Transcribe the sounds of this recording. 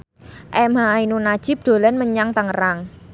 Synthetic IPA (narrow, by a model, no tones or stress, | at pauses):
ʔɛmɦainunad̥ʒ̥ɪp̚d̪̥o̤lɛnməɲaŋt̪əŋəɾaŋ